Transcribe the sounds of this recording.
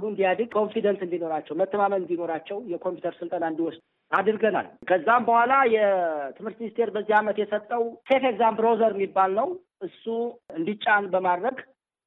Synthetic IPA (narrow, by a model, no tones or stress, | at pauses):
lund̪ijad̪ɨɡkʰo̞nfid̪ənsɨnd̪ino̞ɾat͡ʃːɛwmət̪ʰːəmamənɨnd̪ino̞ɾat͡ʃːɛwjɛkʰo̞mpjut̪ʰəɾsɨlt̪ʼanaɨnd̪iwɔs | ad̪ɨɾɡəna̰lkʰəzːambəhʷalajɛt̪ʰɨmhɨɾt̪minist̪ʰe̞ɾbəzːihamət̪jɛsət̪ʼːəwse̞feɡzambɾozəɾmːibːalnəw | ʔɨsːuɨnd̪it͡ʃʼːanbəmad̪ɾəɡ